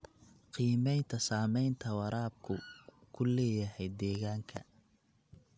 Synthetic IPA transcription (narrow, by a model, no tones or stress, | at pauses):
qiːmɛjnt̪ʰɐsaːmɛjnt̪ʰɐwɑɾʔaːb̚kʰʊkʰʊlɛːjɐɦɛjd̪ɛːɣaːŋkʰɐ